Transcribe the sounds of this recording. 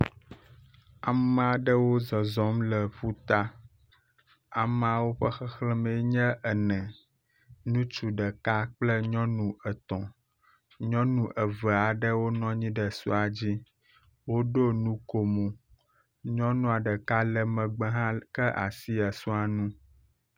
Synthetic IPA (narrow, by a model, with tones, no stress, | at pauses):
a˨m˨a˨ɖə˦wo˦zɔ˨zɔ˨˦mlə˨ɸu˦t̪a˦ | a˨m˨a˨wo˦ɸə˦xə˦xlə˦mɛ˨˦ɲɛ̃˦ʔə˨nɛ̃˨ | nũ˦t͡ʃu˨ɖə˨ka˦k͡plə˦ɲɔ̃˦nũ˨ə˨t̪ɔ̃˨ | ɲɔ̃˦nũ˨ʔə˨və˨a˨ɖə˦wo˦nɔ̃˦ɲĩ˦ɖə˨sṵ˦a˨d͡ʑi˦ | wo˦ɖo˦nũ˦ko˨mũ˨ | ɲɔ̃˦nũ˦a˨ɖə˨ka˦lə˨mə̃˨ɡ͡bə˦ɦã˦kə˦ʔa̰˨si˦a˨su˦a˨nũ˦